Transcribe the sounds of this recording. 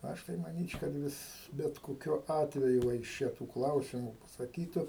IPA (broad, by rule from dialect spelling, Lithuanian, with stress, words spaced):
ˈɐʃ tɐɪ mɐnʲiːt͡ʃʲ kɐt ˈʋʲɪs bʲɛt koːˈkʲʊ ˈɑːtʲʋʲɛjʊ ʋɐ ɪʃ ˈt͡ʃʲɛ tuː ˈklˠɐʊsʲɪmʊ pɐsɐˈkʲiːtʊ